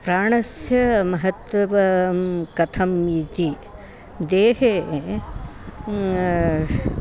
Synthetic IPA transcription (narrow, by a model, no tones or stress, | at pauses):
pɾaːɳɐsjɐmɐɦɐt̪wɐʋɐkɐt̪ʰɐmːiːt̪i | d̪eːɦe